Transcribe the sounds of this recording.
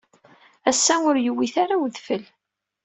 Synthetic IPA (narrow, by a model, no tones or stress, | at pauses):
æsːæʊɾjəwːiθaɾawðfəl